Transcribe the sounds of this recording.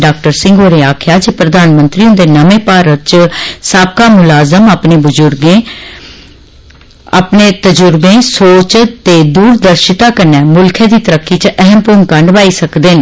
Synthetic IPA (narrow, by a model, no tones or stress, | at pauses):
ɖaːk̚ʈəɾsɪ̃ŋɡoːɾeːaːkʰjaːd͡ʒeːpɾəd̪aːnmənt̪ɾiːʊ̃nd̪eːnəmẽːpaːɾət̪̚t͡ʃəsaːb̚kaːmʊlaːzəmaːpneːbʊzʊɾɡẽː | a̰ːpneːt̪əd͡ʒʊɾbẽːsoːt͡ʃt̪eːd̪uːɾd̪əɾʃɪt̪aːkəɾnɛːmʊlkʰɛ̃ːd̪iːt̪əɾəkːiːt͡ʃʔəɦəmpʊːŋkaɳɖəʋaːiːsəkd̪eːn